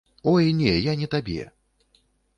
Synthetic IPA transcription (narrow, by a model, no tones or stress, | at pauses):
ɔjnʲɛjanʲɛt̪abʲɛ̰